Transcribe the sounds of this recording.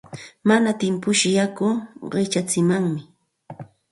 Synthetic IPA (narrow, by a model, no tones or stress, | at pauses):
manat̪ɪmpʊʃɪjakʊɢɪt͡ʃat͡sɪmaŋmɪ